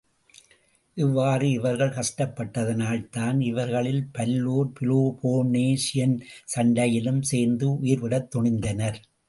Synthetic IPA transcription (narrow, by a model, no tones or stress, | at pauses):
ʔɪʋːaːrɯɪʋɐɾɣɐɭkɐʂʈɐpːɐʈːɐðɐnaːɭt̪aːnɪʋɐɾɣɐɭɪlpɐlːuːɾpɪloːpʰoːneːʂɪjɐnsɐɳɖɐjɪlɯmseːɾnd̪ɯʊjɪɾʋɪɽɐt̪ːɔɳɪnd̪ɐnɐɾ